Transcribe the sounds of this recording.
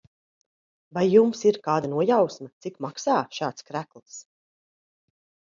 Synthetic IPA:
vajːumsiɾkaːd̪anuɔjawsmɐt̪sikmaksaːʃaːt̪skɾæklˠs

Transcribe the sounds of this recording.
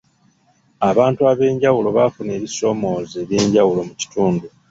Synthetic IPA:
aβaːntuaβe̞ːɲɟawulo̞βafune̞ːβiso̞ːmo̞ːzeːβjeːɲɟawulo̞muci̥tuːndu

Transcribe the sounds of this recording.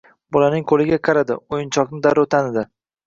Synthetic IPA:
bɒlanɪŋqʰolɪɡʲaqʰɑɾad̪ɪ̰ojɪnt͡ʃʰɒknɪd̪aɾot̪ʰanɪd̪ɪ

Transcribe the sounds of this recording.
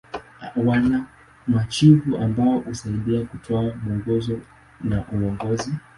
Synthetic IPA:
wana | mat͡ʃivuʔambaɔʔusaidiakutʰɔamuɔŋɡɔzɔ | naʔuɔŋɡɔzi

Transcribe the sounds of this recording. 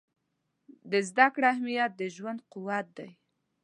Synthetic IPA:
d̪əzd̪akɽahmijat̪̚d̪əʒwand̪̚qʊwat̪̚d̪aj

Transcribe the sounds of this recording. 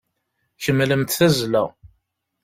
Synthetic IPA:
çəmːləmt̪θæzlæ̰

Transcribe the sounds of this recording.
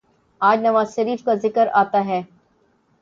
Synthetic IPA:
aːd͡ʒnɐʋaːzʃɐɾiːfkazɪkəɾaːt̪aɦɛː

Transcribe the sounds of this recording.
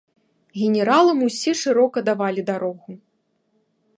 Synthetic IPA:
ɣʲenʲɛɾalˠɐmusʲɛʂɨɾɔkɐd̪avalʲid̪aɾɔɣu

